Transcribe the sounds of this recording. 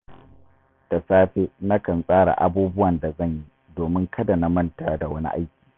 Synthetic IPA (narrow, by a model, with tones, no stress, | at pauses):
ta˨saː˦ɸe˦na˦kɐ˨nsʼaː˦ɽa̰˨ʔa̰˨buː˦bʊ˦wɐ˨nda˨zɐ˦˨ɲji˦ | doː˨mɪ˦ŋkʰɐ˦da˨na˦mɐ˦nta˦da˨wɐ˦nḭ˦ʔa̰˦jkʲi̥ː˨